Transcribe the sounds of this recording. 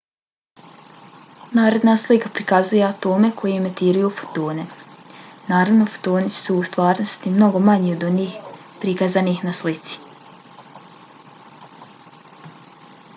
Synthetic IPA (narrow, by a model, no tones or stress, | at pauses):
naːɾe̞d̪naslikapɾikazuje̞at̪o̞ːme̞kʰo̞jeemet̪iːɾujufo̥t̪oːne̞ | naːɾaʋno̞fo̥t̪oːnisuːst̪ʋaːɾno̞st̪imno̞ɡo̞maɲiod̪oniːx | pɾikazaniːxnaslit̪si̥